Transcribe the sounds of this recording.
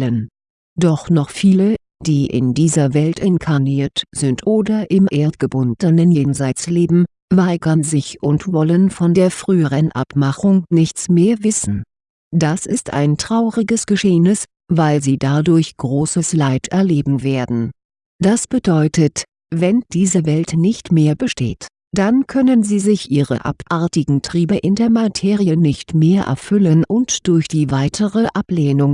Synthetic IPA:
lən | d̥ɔχnɔχfiːlə | d̥iːʔɪ̰ndiːzɐvɛltʰʔɛnkʰaniːɐtz̥ɪntʔoːdɐʔɪmʔeːɐtɡ̥əbʊndənənjeːnzaɪt͡sleːbm̩ | vaɪɡɐnzɪçʔʊntv̥ɔlənfɔndeːɐfʁ̥yːəʁənʔa̰pmaχʊŋnɪçt͡smeːɐvɪsn̩ | d̥asʔɪsta̰ɪntʁ̥aʊʁɪɡəsɡ̥əʃeːənɪs | vaɪlziːdadʊɐçɡ̥ʁoːsəslaɪtʰɛɐleːbm̩veːɐdn̩ | d̥asb̥ədɔʏtət | vɛnd̥iːzəvɛltnɪçtmeːɐbəʃtḛːt | d̥ankʰœnənziːzɪçʔiːʁə̰ʔa̰pʔaɐtɪɡŋ̩tʁ̥iːbəʔɪndeːɐmatʰeːʁiənɪçtmeːɐʔɛ̰ɐfʏlənʔʊntd̥ʊɐçd̥iːvaɪtʰəʁəʔapleːnʊŋ

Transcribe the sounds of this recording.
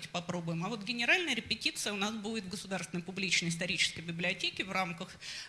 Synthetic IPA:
tʲɪ̥pɐpɾobʊjɪmɐvo̞t̪ɡʲɪnʲɪɾalʲnəjəɾʲɪpʲɪtʲit̪sɨjəʊnasbudʲɪt̪vɡəsʊd̪aɾrst̪vʲɪnəjpʊblʲit͡ɕnəjɪst̪ɐɾʲit͡ɕɪ̥skəjbʲɪblʲɪɐtʲekʲɪvramkəx

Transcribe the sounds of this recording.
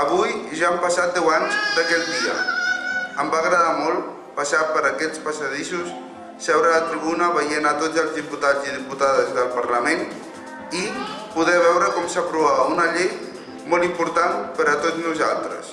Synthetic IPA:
əβujʒaəmpasat̪̚d̪ɛwaɲzd̪əkɛld̪iə̰ | əmbaɣɾəðamɔlˠ | pəsapəɾəkɛt͡spəsəðisusː | ɛβɾələt̪ɾiβunəβəjenat̪od͡zəlˠzðiput̪ad͡ziðiput̪aðəzðəlˠpəɾləmen | i | puðɛβɛwɾəkɔmsəpɾuβaβəunəʎej | mɔlˠimpuɾt̪anpəɾət̪od͡znuza̰lˠt̪ɾə̰s

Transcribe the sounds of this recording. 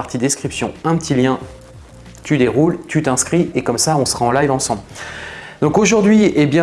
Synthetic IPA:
aʁt̪id̪eskχipsjɔ̰̃ɛ̃pət̪ʰiljɛ̃ | t̪ʰyd̪eʁult̪ʰyt̪ɛ̃skχiekɔmsaɔ̃sə̥ʁaɑ̃lajvɑ̃sɑ̃bl | d̪ɔ̃koʒuʁd̪ɥiebjɛ̃

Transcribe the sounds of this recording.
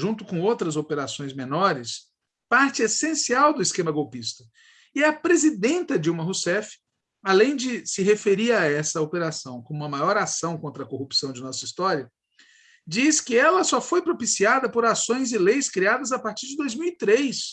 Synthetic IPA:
ʒũnt̪ʊkõowt̪ɾɐzopeɾasõj̃zmẽnɔɾɪs | paɾt͡ʃɪesẽsiawd̪ʊiskẽmɐɡowpist̪ɐ | ɪɛɐpɾezid̪ẽnt̪ɐd͡ʒiwmɐɦusɛfɪ̥ | alẽj̃d͡ʒɪsɪɦefeɾiɾaɛsɐopeɾasɐ̃w̃kõmũmɐmajɔɾasɐ̃w̃kõnt̪ɾɐkohupsɐ̃w̃d͡ʒɪnɔsɐist̪ɔɾiɐ | d͡ʒiskɪɛlɐsɔfojpɾopisiad̪ɐpoɾasõj̃zɪlejskɾiad̪ɐzapaɾt͡ʃiɾd͡ʒɪd̪ojzmiwit̪ɾejs

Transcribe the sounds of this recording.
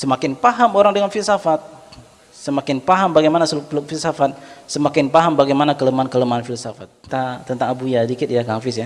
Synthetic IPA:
səmakɪnpaɦamoɾaŋdəŋanfilsafat̪̚ | səmakɪnpaɦambaɡajmanasəlʊk̚əlʊk̚filsafat̪̚səmakɪnpaɦambaɡajmanakələmaankələmanfilsafat̪̚ːat̪ənt̪aŋabujadikɪt̪̚jakaŋfɪsja

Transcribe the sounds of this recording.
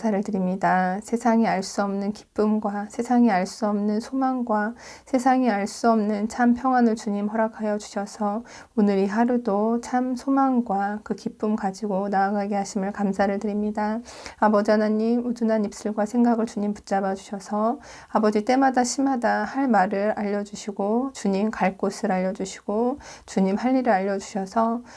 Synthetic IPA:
sʰaɾɯɭtɯɾimɲidasʰe̞sʰaŋiaɭs͈uʌmnɯnki̥p͈ɯmɡwasʰe̞sʰaŋiaɭs͈uʌmnɯnsʰomaŋɡwasʰe̞sʰaŋiaɭs͈uʌmnɯnt͡ɕʰampʰjʌŋwanɯɭt͡ɕuɲimɦʌɾakʰajʌd͡ʑu̥ɕʰʌsʰʌ | onɯɾiɦaɾudot͡ɕʰamsʰomaŋɡwakɯkip͈ɯmkad͡ʑiɡonaaɡaɡeɦaɕʰimɯɭkamsʰaɾɯɭtɯɾimɲidaabʌd͡ʑanaɲːimudunɦanip̚s͈ɯɭɡwasʰe̞ŋɡaɡɯɭt͡ɕuɲimpu̥t͡ɕ͈abad͡ʑuɕʰʌsʰʌ | abʌd͡ʑit͈e̞madaɕʰimɦadahaɭmaɾɯɾaʎːʌd͡ʑuɕʰiɡot͡ɕuɲimkaɭk͈osʰɯɾaʎːʌd͡ʑuɕʰi̥ɡ̥ot͡ɕuɲimhaʎːiɾɯɾaʎːʌd͡ʑuɕʰʌsʰʌ

